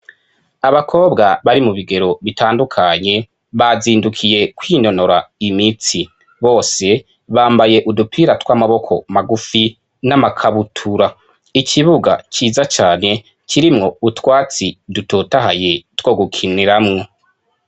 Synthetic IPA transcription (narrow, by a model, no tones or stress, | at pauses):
aβakʰo̞ːbɡaβaɾimuβiɡe̞ɾo̞βitʰaːndukʰaɲe̞ | βaziːndukʰije̞kwino̞no̞ɾaimit͡si | βo̞ːse̞ | βaːmbaje̞ʔudupʰiɾatwaːmaβo̞kʰo̞maɡufi | namakʰaβutʰuɾa | icʰiβuɡa̰ciːzat͡ʃaːne̞ | ciɾimŋo̞utwaːt͡sidutotaɦa̰je̞two̞ːɡukʰiniɾamŋo̞